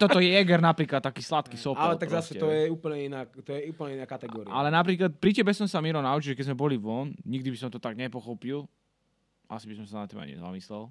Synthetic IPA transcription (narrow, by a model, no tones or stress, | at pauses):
t̪ɔt̪ɔjɛjɛɡɛɾnapɾiːklat̪̚t̪ːakiːslat̪kisɔpalɛt̪aɡzasɛɛɔjɛuːpl̩ɲɛinaːt̪ɔjɛuːpl̩ɲɛinaːkat̪ɛɡɔːɾḭalɛnapɾiːklat̪̚pɾicɛbɛsɔmsamiɾɔnaut͡ʃilʒɛkɛzmɛbɔliʋɔnɲiɡd̪ibisɔmt̪ɔt̪aɡɲɛpɔxɔpil | ʔa̰sibisɔmsanat̪ːima̰jɲɛ̰za̰mislɛl